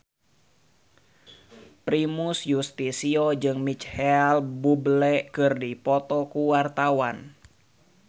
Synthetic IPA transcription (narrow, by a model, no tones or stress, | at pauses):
pɾimusjust̪isiod͡ʒɨŋmit͡ʃhɛalbublɛkɨrdipɔt̪ɔkuwart̪awan